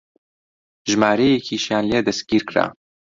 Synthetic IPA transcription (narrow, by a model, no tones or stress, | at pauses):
ʒmaːɾejekʰiʃjaːnled̪ɐst̪̚ɡ̥ʲiːɾkɾa̰ː